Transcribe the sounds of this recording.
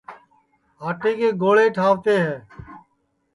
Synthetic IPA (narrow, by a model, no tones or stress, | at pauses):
aːʈeːkeːɡoːɭeːʈʰaːʋt̪eːɦɛː